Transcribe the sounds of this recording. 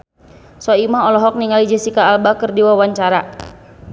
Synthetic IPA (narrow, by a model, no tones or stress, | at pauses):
sɔimaɔlɔɦɔk̚niŋalid͡ʒɛsikaːlbakərdiwawaɲt͡ʃaɾa